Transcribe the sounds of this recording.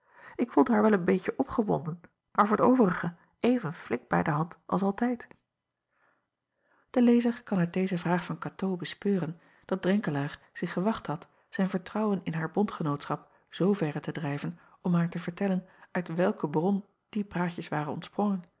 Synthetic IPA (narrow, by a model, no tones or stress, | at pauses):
ɪkfulˠdəɦaːɹʋɛlˠənbejcəʔɔpχəʋɔ̰ndən | maːɹvʊːɹdəowvərəχə | ʔejvənflɪk̚bɛ̰jdəɦɑntʔɑ̰lˠsɑlˠtɛjt | d̥əlejzəɹkɑnœt̚dejzəvraːχfɑnkatowbəspøːrən | d̥ɑd̚drɛŋkəlaːɹ | z̥ɪχəʋɑχtɦɑt | z̥ɛjnvəɹtrɑwənɪnɦaːɹbɔntχənowtsχɑp | z̥owvɛrətədrɛjvən | ɔmɦaːɹtəvəɹtɛlənœɥtʋɛlˠkəbrɔn | d̥ipraːcəsʋaːrənɔ̰ntsprɔŋən